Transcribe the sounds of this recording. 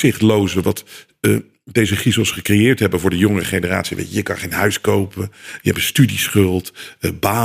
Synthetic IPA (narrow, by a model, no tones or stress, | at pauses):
ɪχtlowzəʋɑt | dejzəχisɔsχəkrejɪːɹtɦɛbənvʊːɹdəjɔŋərəχejnəra̰ːtsiʋḛjjəjəkɑ̃nχejnɦœɥskowpəjəɛbəstydisχɵlˠtbaː